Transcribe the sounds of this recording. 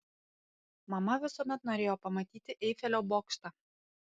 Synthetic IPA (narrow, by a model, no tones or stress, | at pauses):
mɑmɑʋʲɪsomʲæt̪noɾʲejopɐmɐt̪ʲit̪ʲɪʔejfʲælʲobokʃt̪ɑ